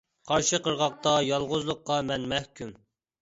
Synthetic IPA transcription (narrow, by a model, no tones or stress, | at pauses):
qʰɑɾʃɨqəɾʁɑq̚t̪ɑjɑlˠʁʊzlˠʊqːɑmɛnmɛhkʲym